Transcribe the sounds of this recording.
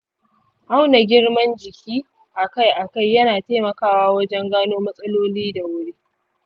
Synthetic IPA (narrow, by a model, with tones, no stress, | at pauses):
ʔa˦wna˨ɡʲɪ˦ɽmɐ˦nd͡ʒɪ˨kʲiː˦ | ʔa˨ka˦jʔa˨ka˦˨jːɐ˦naː˨teː˦mɐ˨kaː˦waː˦wɐ˦d͡ʒɛ˦ŋɡaː˦noː˦mɐ˦sʼɐ˦loː˦liː˦da˨wʊ˦ɽe˦